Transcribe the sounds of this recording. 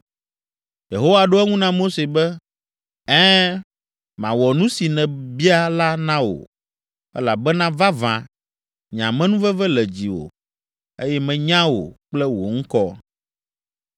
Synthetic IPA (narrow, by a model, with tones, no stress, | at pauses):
je˨ɦo˦wa˨ɖo˦ɛ˦ŋũ˦nã˦mo˦se˨bɛ˦ | ɛ̃˦ | mã̰˨wɔ˨nũ˦si˨nɛ̃˨bi˦a˦la˦nã˦wo̰˨ | ɛ̰˦la˨bɛ˦nã˦va˦vã̰˨ | ɲã˨mɛ̃˦nũ˦vɛ˦vɛ˦lɛ˨d͡ʑi˨wo̰˨ | e˦jɛ˦mɛ̃˨ɲã˦wo̰˨k͡plɛ˦wo̰˨ŋ̩˦kɔ˦